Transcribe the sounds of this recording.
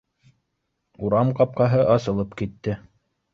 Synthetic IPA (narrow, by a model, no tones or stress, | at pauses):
uɾɑmqɑp̚qɑɦɤʔɑsɤ̆lˠɤpkit̪ːɘ